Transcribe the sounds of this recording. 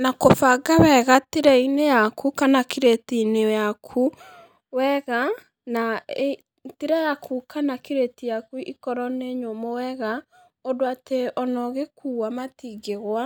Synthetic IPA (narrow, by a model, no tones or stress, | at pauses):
nakofaɡawɛɣatiɾɛinejakʰukanakiɾetinejakʰu | wɛɣa | nae | tiɾɛjakʰukanakiɾetijakuʔikɔɾɔneɲomɔwɛɣa | ɔdoateɔnɔɣekʰuːwamatiɡeɣwa